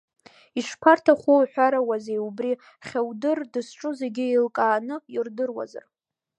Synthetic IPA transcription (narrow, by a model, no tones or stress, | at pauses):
iʂpʰartʰaχʷuħʷᶣaɾawazejubri | χʲawdɨrdɨsʈ͡ʂʼʊze̞ɡʲɪilkʼaːnɨirdɨrwa̰za̰r